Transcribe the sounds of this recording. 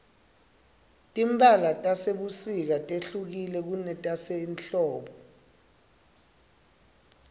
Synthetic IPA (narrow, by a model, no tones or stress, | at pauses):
tʼimɓalatʼaseɓusik̬atʼeɬuk̬ilɛk̬unɛtʼasɛinɬɔːɓɔ